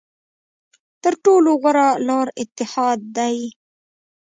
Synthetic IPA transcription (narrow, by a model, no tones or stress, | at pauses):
t̪əɾʈoːloɣaɾalɑːɾɪt̪ːɪhɑːd̪̚ːaj